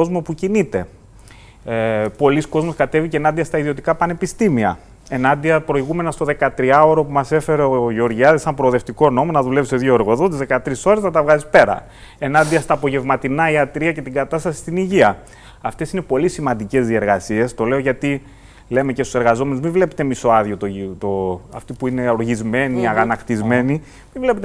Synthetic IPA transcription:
ozmo̞pucinit̪e̞̰ | po̞lisko̞zmo̞skɐt̪e̞vicenɐnd̪iɐst̪ɐiðio̞t̪̬ikɐpɐne̞pist̪imiɐ̰ | e̞nɐnd̪iɐpɾo̞iɣume̞nɐst̪o̞ðe̞kɐt̪ɾiɐo̞ɾopumɐse̞fe̞ɾe̞ooʝeo̞ɾʝiɐzisɐmpɾoðe̞ft̪iko̞no̞monɐðule̞viseðʝoeɾɣoðot̪izðe̞kɐt̪ɾiso̞ɾe̞znɐt̪ɐvɣɐzipe̞ɾɐ̰ | e̞nɐnd̪iɐst̪ɐːpo̞ʝe̞vmɐt̪inɐiɐt̪ɾiɐce̞t̪iɡɐt̪ɐst̪ɐsi̥st̪iniʝiɐ | ɐft̪e̞sine̞po̞lisimɐnd̪ice̞zðie̞ɾɣɐsie̞st̪o̞le̞o̞ʝɐt̪i | le̞mecest̪u̥seɣɐzo̞menuzmivle̞pet̪emist̪oɐðʝot̪ot̪oɐft̪ipuine̞o̞ɾʝizme̞niɐɣɐnɐkt̪izme̞ni | mivle̞pet̪

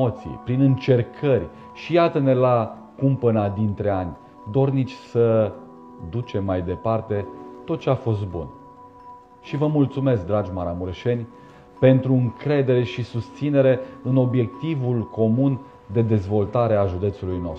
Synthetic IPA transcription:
ot̪sḭjpɾinɨnt͡ʃe̞rkʰərʲ | ʃijat̪əne̞la | kumpənad̪int̪ɾe̞anʲ | d̪o̞rnit̪sʲsə | d̪ut͡ʃe̞mːajd̪e̞part̪e̞t̪o̞t̪̚t͡ʃeafo̞st̪̚bṵn | ʃivəmult̪sume̞sk̚d̪ɾad͡ʒʲmaɾamuɾeʃe̞nʲ | pe̞nt̪ɾuɨŋkɾe̞d̪e̞ɾe̞ʃisust̪sine̞ɾe̞ɨno̞bje̞k̚t̪ivulkʰo̞mun | d̪e̞d̪e̞zvo̞lt̪aɾe̞aʒud̪e̞t̪sulujno̞̰s

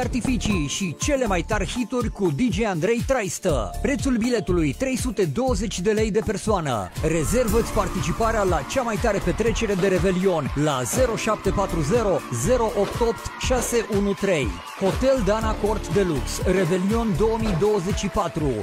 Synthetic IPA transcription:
art̪ifit͡ʃiʃit͡ʃe̞le̞majt̪arʲhit̪urʲkud̪id͡ʒejand̪ɾe̞jt̪ɾajst̪əpɾe̞t̪sulbile̞t̪ulujt̪ɾe̞jsut̪e̞d̪o̞wəze̞t͡ʃʲd̪e̞le̞jd̪e̞pe̞rsoanə̰re̞ze̞rvət̪sʲpart̪it͡ʃipaɾealat͡ʃamajt̪aɾe̞pe̞t̪ɾe̞t͡ʃe̞ɾe̞d̪e̞ɾe̞be̞lio̞nla̰ze̞ɾo̞ʃap̚t̪e̞pat̪ɾuze̞ɾo̞ze̞ɾo̞ʔo̞p̚t̪o̞pt̪ʃase̞ʔunut̪ɾe̞j | ho̞t̪e̞ld̪eanako̞rt̪d̪e̞luksre̞be̞lio̞nd̪o̞wəmijd̪o̞wəze̞t͡ʃʃipat̪ɾṵ

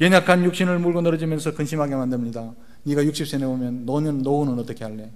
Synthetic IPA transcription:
jeɲakʰanjuk̚ɕ͈inɯɭmuɭɡonɯɾʌd͡ʑimjʌnsʰʌkɯnɕʰimɦaɡe̞mandɯɭmɲida | ɲiɡajuk̚ɕ͈ip̚s͈enebomjʌnːʌnɯnːounɯnʌt͈ʌkʰe̞ɦaɭːe̞

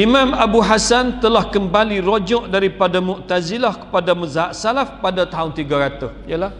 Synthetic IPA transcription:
imãmabuɦasant̪əlahkəmbaliɾod͡ʒʊʔdaɾipadamʊʔt̪azilahkə̥padamuzaaʔsalafpadat̪aʊnt̪iɡaɾat̪ʊsijalah

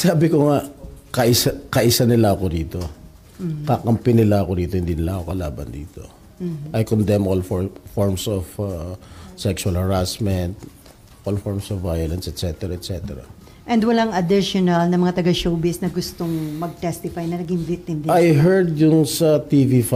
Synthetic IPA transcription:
saːbɪkoŋaʔkɐʔɪsakɐʔɪsanɪlɐɐko̞ɾiːt̪o̞ | kakɐmpɪnɪlɐɐko̞ɾiːt̪oʔɪnd̪iːnɪlɐʔɐkokɐla̰ːbɐ̰nd̪ḭːt̪o̞̰ | ʔɐjkɔnd̪ɛmʔolffoɹmsovasɛkʃuɐlhɐɹasmɛnt̪̚ | ʔolfɔɹmsɔvajolɐnsɛt̪̚sɛt̪ɛɾaɛt̪sɛt̪ɛɾɐ̰ | ʔɛnd̪wɐlaŋɐd̪ɪʃonɐlnɐmɐŋat̪ɐɡaʃoːbɪsnɐɡʊst̪oŋmɐɡ̚t̪ɛst̪ɪfajnɐnɐɡiŋvɪk̚t̪ɪmd̪ajɦɛɹd̪jʊŋsɐt̪ivif

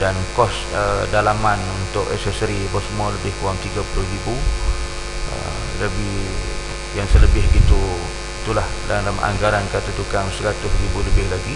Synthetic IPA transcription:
dankɔs | ədalamanunt̪ʊʔɛ̰səsɾibəsəmualəbɪhkuaŋt̪iɡapulʊhɾibu | ə̰ | ləbi | jaŋsələbɪhɡit̪u | it̪ulahdaŋlama̰ŋɡaɾankəat̪at̪ukaŋsəɾat̪ʊsɾibuləbɪhlaɡi

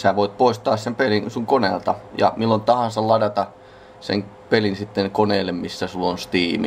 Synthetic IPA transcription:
sæːʋoit̪̚poist̪ɑːssempelinsuŋkoneːlt̪ɑjɑ̰milːont̪ɑhɑnsɑllɑdɑt̪ɑ | sḛŋ | pelinsit̪ːenkoneːlːˑemmisːæsulːonst̪iːmḭ

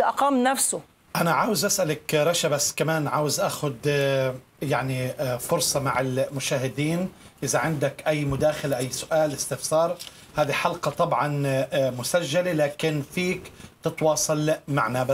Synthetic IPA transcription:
ʔɑqɑːmnafsʊ | ʔanaʕaːwɪzʔasʔalakɾˤɑʃabasːkamaːnʕaːwɪzʔaːxʊd̪ | jaʕnifʊɾsˤɑmaʕɪlmʊʃaːɦɪd̪iːn | ʔɪzaʕɪnd̪akʔajːmʊd̪aːxalaʔajːsʊʔaːlʔɪst̪ɪfsɑːɾˤ | haːd̪iħɑlqɑt̪ˤɑbʕɑnmʊsaʒːalelaːkɪnfiːkt̪ɨt̪wɑːsˤɑlma̰ʕnaba

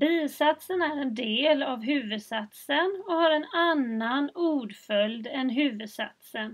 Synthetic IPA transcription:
biːsat̪sənæɾɛnd̪eːlavɦʉ̟ːvɵd̪sat̪sənɔhaɾɛnanːanuːɖfœljd̪ɛnɦʉ̟ːvɵd̪sa̰t̪sən

